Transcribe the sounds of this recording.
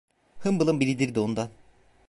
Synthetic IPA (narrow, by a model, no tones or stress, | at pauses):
hɯmbɯlˠɯmbiɾid̪iɾd̪iond̪an